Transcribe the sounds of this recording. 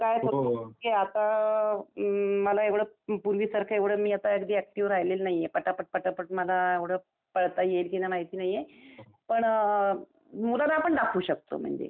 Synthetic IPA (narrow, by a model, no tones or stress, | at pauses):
kajsəɾkeat̪a | məlaeʋɽəpuɾʋiːsəɾkʰaeʋɽ̤əːmiːat̪aəkd̪iːæk̚ʈiʋɾajlelnaɦijepəʈapəʈ̚pəʈapəʈməlaeʋɽ̤əː | pəɭt̪ajelk̪inamaɦit̪iːnaɦije | pəɳ | mulanapəɳɖakʰuːɕək̚t̪o̰m̤ə̰ɳd͡zḛ